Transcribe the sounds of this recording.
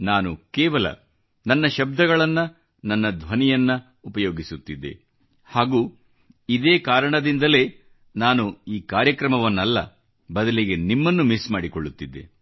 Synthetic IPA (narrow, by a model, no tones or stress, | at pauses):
naːnukɛːʋɐlɐ̰ | nɐnːɐʃɐb̚d̪ʱɐɡɐɭɐnːɐ | nɐnːɐd̪ʱʋɐnijɐnːɐ | upɐjoːɡisut̪ːid̪ːḛ | haːɡuː | id̪eːkaːɾɐɳɐd̪ind̪ɐle̞ː | naːnuiːkaːɾjɐkɾɐmɐʋɐnːɐlːɐ̰ | bɐd̪ɐliɡe̞nimːɐnːumismaːɽikoɭːut̪ːid̪ːe̞̰